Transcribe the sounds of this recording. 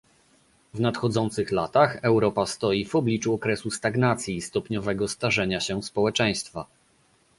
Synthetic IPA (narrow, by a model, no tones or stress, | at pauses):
vnat̪xɔd̪zɔnt̪sɘxlat̪axɛwɾɔpast̪ɔjivɔblʲit͡ʂuɔkɾɛsust̪aɡnat̪sʲjist̪ɔpɲɔvɛɡɔst̪aʐɛɲaɕɛspɔwɛt͡ʂɛj̃st̪fa